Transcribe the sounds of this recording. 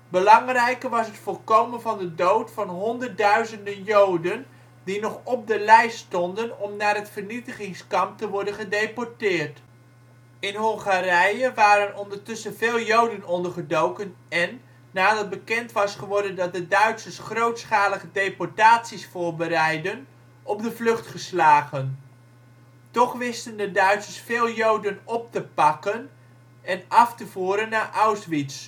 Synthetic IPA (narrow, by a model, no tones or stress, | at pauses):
bəlɑŋrɛjkəʋɑsɦətfʊːrkowmənvɑndədowtfɑnɦɔndərt̚dœɥzəndənjowdən | dinɔχɔp̚dəlɛjstɔndənɔmnaːrɦətfərnitəχɪŋskɑmp̚təʋɔɹdənχədejpɔɹtɪːrt | ɪnɦɔŋχarɛjəʋaːɾənɔndəɹtʏsənveːlˠjowdənɔndəɹχədowkənɛnː | aːdɑt̚bəkɛntʋɑsχəʋɔɹdəndɑt̚dədœɥtsəɹsχrowtsχaːləχədejpɔɹtaːtsisfʊːɹbəɾɛjdən | ɔbdəvlɵχtχəslaːχən | tɔχʋɪstəndədœɥtsəɹsfɪːlˠjowdənɔp̚təpɑkən | ɛnɑftəvuːɾənːaːɹʔawsʋits